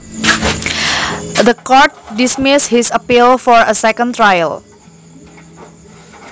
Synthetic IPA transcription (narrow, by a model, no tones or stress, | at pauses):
d̪əkɔɹt̚dismɪshisəpilfɔɹəsɛkə̃nt̪ɹajə̰l